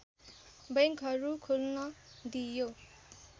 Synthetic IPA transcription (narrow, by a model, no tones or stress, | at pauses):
bʌŋkɦʌɾukʰulnʌd̪ijo